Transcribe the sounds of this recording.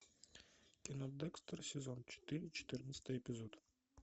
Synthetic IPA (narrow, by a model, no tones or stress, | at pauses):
kʲɪnod̪ɛkst̪rsʲezont͡ʃt̪ilʲt͡ʃʰe̥t̪ɪɾɪnsʲt̪ɨepʲɪzot̪